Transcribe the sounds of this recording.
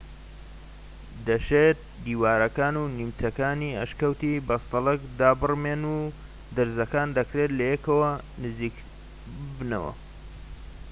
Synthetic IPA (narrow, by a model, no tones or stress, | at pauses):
d̪ɐʃet̪̚d̪iːwaːɾɐkaːnunimt͡sɐkaːniɐ̰ʃkɐwt̪ibɐst̪ɐlˠɐkd̪aːbɨrmeːnu | d̪ɨɾzɐkaːnd̪ɐkɾeːt̪lɐjekɐwɐnɨziːk | bɨbnɐ̰wɐ̰